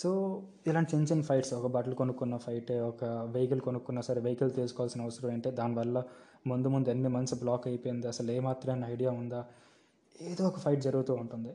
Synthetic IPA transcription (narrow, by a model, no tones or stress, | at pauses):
soː | ilaːɳʈit͡ʃeɲt͡ʃɐnpʰɐjʈsɔkɐbɐʈɐlukonukːunːɐpʰɐjʈeːɔkɐʋejikɐlkonukːunːɐsɐɾeʋejkɐlt̪iːlsu̥kɔːʋaːlsinɐʋɐsɐɾɐmɐɳʈeːd̪aːniʋɐlːɐ | mund̪umund̪uɐnːimɐnsblaːkɐjpojind̪iɐsɐleːmaːt̪ɾɐmeɐnːɐɐjɽijaːund̪aː | eːd̪oːɔkɐpʰɐjʈ̚d͡ʒɐɾuɡut̪uːuɳʈund̪i